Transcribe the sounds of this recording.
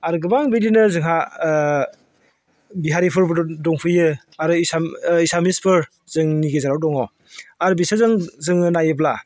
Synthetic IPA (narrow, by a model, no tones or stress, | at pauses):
aɾɡɯbaŋbidinɯzɯŋɦa | biɦaɾipʰɯɾbdɔŋpʰɯjɯ | aɾɯisaisamispʰɯɾ | zɯŋniɡezaɾawdɔŋɔ | aɾbisazɯŋzɯŋɯnajɯb̬la